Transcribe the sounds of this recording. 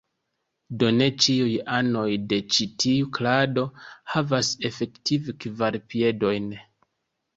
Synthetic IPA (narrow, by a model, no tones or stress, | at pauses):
do̞ne̞t͡ʃiujano̞jde̞t͡ʃitʰiuklado̞havase̞fe̞ktivekvaɾpie̞do̞jn